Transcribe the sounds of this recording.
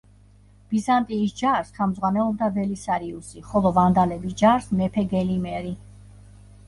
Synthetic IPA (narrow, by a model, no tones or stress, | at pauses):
b̥izant̪ʼiːsd͡ʒaɾsχɛmzʁwanɛɔbd̪avɛlisaɾiusiχɔlˠɔvand̪alɛbisd͡ʒaɾsmɛpʰɛɡɛlimɛɾi